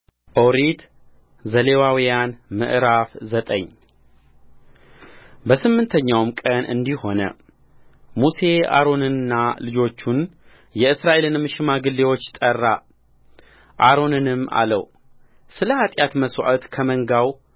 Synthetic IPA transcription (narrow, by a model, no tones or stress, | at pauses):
ʔowɾit̪ | zəlewawijanmɨ̰ʔɾafzət̪ʼə̰ɲː | bəsɨmːɨnt̪ʰəɲːawmkʼənʔɨ̰nd̪iho̞nə̰ | muse̞a̰ɾo̞nɨnɨnːalɨd͡ʒo̞t͡ʃːun | jɛɨsɾaʔe̞lɨnmɨʃɪmaɡɨlːe̞wo̞t͡ʃːt̪ʼərːa | ʔaɾo̞nɨnɨmːa̰lə̰w | sɨləhat̪ʼjat̪məswa̰ʔət̪kʰəməŋɡaw